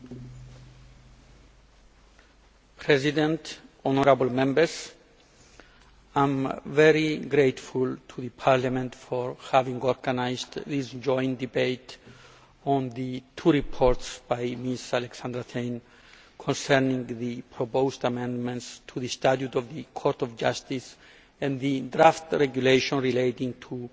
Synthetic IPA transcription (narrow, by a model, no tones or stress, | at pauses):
pʰɹɛzidɛ̃ntɔnəɾabəlˠmɛ̃mbə˞s | ãmvɛɹiɡɾetfult̪ʰuðɨpʰaɹlamɛ̃ntfɔɹhavĩŋɔɹɡanaɪzdðisd͡ʒɔ̃ɪ̃nd̪ibeɪt | ɔ̃nðɨtʰuɹipʰɔɹtsb̥ajmisalɛksãnd̪ɾat̪ʰẽɪn | kʰɔ̃nsɛɹnĩŋðɨpʰɹɔpoʊstamɛ̃ndmɛ̃ntstʰuðɨst̪atjutɔvðɨkʰɔɹt̪ɔvd͡ʒʌstis | ɛ̃nðɨdɾaftɹɛɡjuleʃɔ̃nɹileɪtĩŋtʰu